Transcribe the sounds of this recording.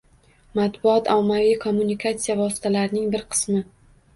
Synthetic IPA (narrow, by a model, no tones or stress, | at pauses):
mat̪bʊɒt̪ɒmːavijkʰomːunikʰat̪sijavɒsɪ̥t̪ʰalaɾnɪŋbɪɾqʰɨ̥smɪ